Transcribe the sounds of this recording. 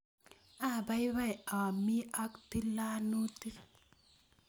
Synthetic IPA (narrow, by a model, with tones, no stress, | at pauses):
ʔa˨ba˦jβa˦˨ja˨mi˦ʔa˦kti˦la˦nu˦ti˦